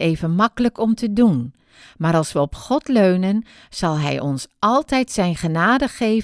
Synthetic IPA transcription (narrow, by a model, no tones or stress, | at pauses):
eːvənmɑkələkɔmtədun | maːɾɑlˠsʋəɔpχɔtløɥnən | z̥ɑlˠɦɛ̰jʔɔnsɑlˠtɛjtsɛjnχənaːdəχejv